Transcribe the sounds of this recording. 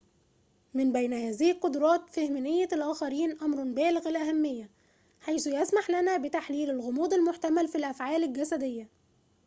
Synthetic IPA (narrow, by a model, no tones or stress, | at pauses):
mɪmbæjnæhæːzɪhilqod̪ɾˤɑːt̪fehmnɪjːælʔæːxæɾiːnʔæmɾˤɑnbæːlɪɣælʔæɦæmːɪjːæ | ħajsujæsmaħlænæbɪt̪aħliːlɪlɣomuːd̪ɪlmoħt̪æmælfilʔæfʕaːlɪlɡæsæd̪ejːæ